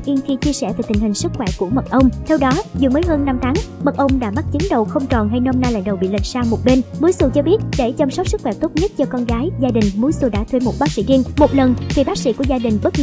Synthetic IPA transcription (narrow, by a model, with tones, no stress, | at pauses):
ʔi˧nxi˧t͡ɕi˧əsɛ̰˧˩ve˨˩t̪ï˨˩ŋ̟hï˨˩ŋ̟sɨ˦˥k̚xwɛ˧˩ku˧˩əmə˨˩t̚ʔə˧wŋ͡mt̪ʰɛ˧wɗɔ˨˦zɨ˨˩məː˨˦jɦəː˧nːa˧mt̪ʰaː˨˦ŋmə˨˩t̚ʔə˧wŋ͡mɗa̰ː˧˥ma˦˥t͡ɕi˨˦nɗə˨˩wxə˧wŋ͡mt͡ɕɔ˨˩nɦa˧jnɔ˧mnaː˧la̰˧˨ŋ̟ɗə˨˩wɓḭ˧˨lï˨˩k̟̚saː˧wmo˨˩t̚ɓe˧nmu˨˦jsu˧˩t͡ɕɔ˧ɓi˦˥ət̚ɗe˧˩t͡ɕə˧msə˦˥k͡p̚sɨ˦˥k̚xwɛ˧˩t̪o˦˥t̚ɲə˦˥t̚t͡ɕɔ˧kɔ˧nɣaː˨˦jzaː˧ɗï˨˩ŋ̟mu˨˦jsu˧˩ɗa̰ː˧˥˩t̪ʰwe˧mu˨˩t̚ɓaː˦˥k̚sḭ˧˥zi˧nmo˨˩t̚lə˨˩nt̪ʰi˨˩ɓaː˦˥k̚sḭ˧˥ku˧˩əzaː˧ɗï˨˩ŋ̟ɓə˦˥t̚l